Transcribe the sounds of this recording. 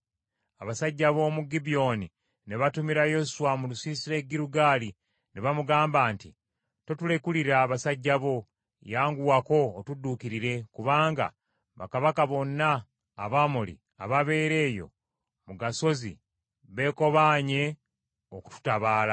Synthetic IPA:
aβasaɟːaβo̞ːmuɡibijo̞ni | neβatumiɾajo̞suwamulusiːsile̞ɡiɾuɡaːli | neβamuɡaːmbaːnti | to̞tule̞kuliɾaːβasaɟːaβo̞ | jaːŋɡuwako̞ːtudːuːkiɾiɾe̞kuβaːŋɡa̰ | βa̰kaβakaβo̞nːaː | βamulḭ | aβaβe̞ːɾe̞ːjo̞̰ | muɡaso̞zḭ | βe̞ːko̞βaːɲe̞ | oku̥tu̥taβaːla

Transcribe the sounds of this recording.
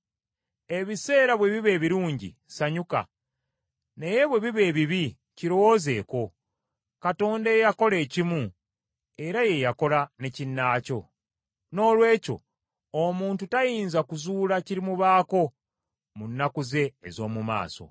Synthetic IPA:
e̞βise̞ːɾaβwe̞βiβe̞ːβiɾuːɲɟḭsaɲuka̰ | ne̞je̞βwe̞βiβe̞ːβiβi | ciɾo̞wo̞ze̞ːko̞ | kato̞ːndajejako̞le̞ːcimu | e̞ɾaje̞jako̞lane̞cinːaːco̞̰ | no̞ːlwe̞ːco̞̰ | omuːntutajiːnzakuzuːlaciɾimuβaːko̞ | munːakuze̞ːzo̞ːmuma̰ːso̞̰

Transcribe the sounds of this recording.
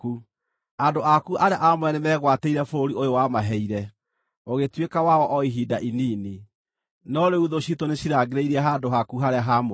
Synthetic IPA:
ku | adoʔakuaɾeaʔamwɛnɛmɛːɣwateiɾɛfoɾiojowamaɦɛiɾɛ | oɣetwekawaɔʔɔiɦidaʔiniːni | nɔɾeuðoɕitoneɕiɾaɡeɾeiɾiaɦadoɦakuɦaɾeaɦam

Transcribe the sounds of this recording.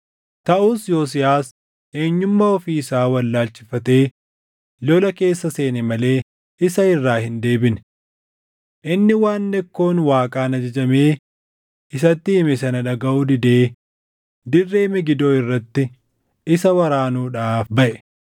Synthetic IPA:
t̪ɐʔuːsjoːs̬ɪjaːs | ʔe̞ːɲːʊmːɐɔfiːɪsaːwɐlːaːlt͡ʃɪ̥fɐt̪e̞ː | lɔlɐke̞ːsːɐse̞ːnɛmɐle̞ː | ɪsɐɪrːaːhɪnd̪e̞ːbɪn | ʔɪnːɪwaːnːɛkːo̞ːnwaːkʼaːnɐd͡ʒɐd͡ʒɐme̞ː | ɪsɐt̪ːɪɪmɪsɐnɐᶑɐɡɐʔuːd̪ɪd̪e̞ː | d̪ɪrːe̞ːmɪɡɪd̪o̞ːɪrːɐt̪ːɪ | ɪsɐwɐɾaːnuːᶑaːfbɐʔɛ̥

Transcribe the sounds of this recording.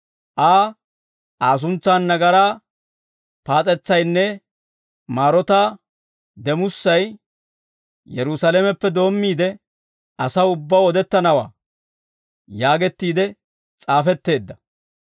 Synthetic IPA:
ʔaː | ʔaːs̬ʊnt͡sːaːnːɐɡɐɾaː | paːt͡sʼɛt͡sːɐjnːɛ | maːɾɔt̪aː | d̪ɛmʊsːɐj | jɛɾʊsalemɛpːɛd̪o̞ːmːiːd̪ɛ | ɐsɐʊbːaːwɔd̪ɛt̪ːɐnɐwa̰ː | jaːɡɛt̪ːiːd̪ɛ | t͡sʼaːfɛt̪ːe̞ːd̪ːɐ

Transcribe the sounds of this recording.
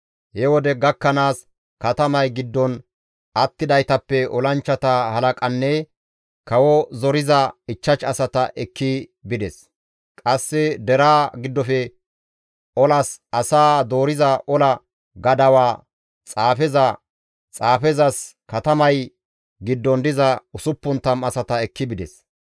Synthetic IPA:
hɛwɔd̪ɛɡɐkːɐnaːs | kɐt̪ɐmɐjɡɪd̪ːɔn | ɐt̪ːɪd̪ɐjt̪ɐpːɛʔɔlɐnt͡ʃːɐt̪ɐhɐlɐkʼɐnːɛ | kɐwɔzɔɾɪzɐɪt͡ʃːɐt͡ʃɐsɐt̪ɐʔɛkːibɪd̪ɛs | kʼɐsːɛd̪ɛɾaːɡɪd̪ːɔfɛ | ʔɔlɐsɐsaːd̪oːɾɪzɐʔɔlɐ | ɡɐd̪ɐwaː | t͡sʼaːfɛzɐ | t͡sʼaːfɛzɐskɐt̪ɐmɐj | ɡɪd̪ːɔnd̪ɪzɐʊsʊpːʊnt̪ːɐmɐsɐt̪ɐɛkːɪbɪd̪ɛs

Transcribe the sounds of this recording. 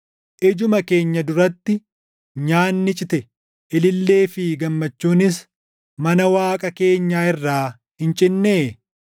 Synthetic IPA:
ʔɪd͡ʒʊmɐke̞ːɲːɐd̪ʊɾɐt̪ːɪ | ɲaːnːɪt͡ʃʼɪt̪ɛ | ʔɪlɪlːe̞ːfɪɡɐmːɐt͡ʃːuːnɪs̬ | mɐnɐwaːkʼɐke̞ːɲːaːɪrːaː | hɪnt͡ʃʼɪnːeː

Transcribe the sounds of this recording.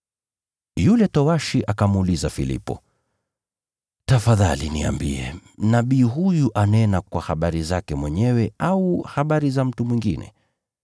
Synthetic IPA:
julɛtɔwaʃiʔakamulizafilḭpɔ̰ | tafaða̰linia̰mbḭɛ̰naɓiːɦujuʔanɛnakwahaɓaɾizakɛmwɛɲɛwɛauhaɓaɾizam̩tumwiŋɡinɛ̰

